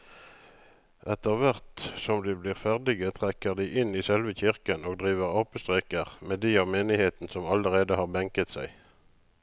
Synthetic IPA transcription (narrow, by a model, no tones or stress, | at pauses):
ʔɛt̪əʁʋæʁt̪sɔmd̪iːbliːʁfæʁd̪ɪɡət̪ʰʁɛkəʁd̪iːʔɪniːsɛlʋəçɪʁkənoːɡ̚d̪ʁiːʋəʁɑːpəst̪ʁeːkəʁmeːd̪iːɑmeːnɪheːt̪n̩sɔmɑləʁeːd̪əhɑːʁbɛŋkət̪sæ̰ɪ